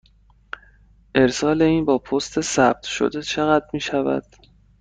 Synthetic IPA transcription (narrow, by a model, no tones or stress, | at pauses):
ʔe̞ɾsɒːle̞iːnbɒːpʰost̪ʰe̞sæb̥̚t̪ʰʃo̰d̪e̞t͡ʃʰe̞ɣæd̪̚miːʃævæ̰d̪̥